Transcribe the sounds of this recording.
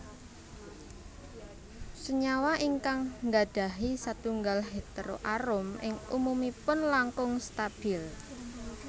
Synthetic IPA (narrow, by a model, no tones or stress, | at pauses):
səɲawaʔiŋkaŋŋɡad̥a̤ɦisat̪uŋɡalɦet̪əɾo̰ʔaɾʊmɪ̰ŋṵmumipʊnlaŋkʊŋst̪ab̥ɪl